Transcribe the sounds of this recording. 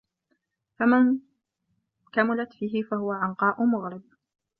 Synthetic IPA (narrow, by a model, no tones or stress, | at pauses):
faman | kamʊlat̪fiːɦɪfahʊwaʕɑnqɑːʔʊmʊɣɾɪd̪̚